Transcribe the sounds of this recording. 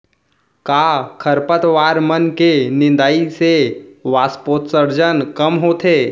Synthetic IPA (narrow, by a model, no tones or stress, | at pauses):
kakʰəɾpət̪ʋaːɾmənkenɪ̃nd̪aːiseʋaːspoːt̪səɾd͡ʒənkəmɦot̪ʰeː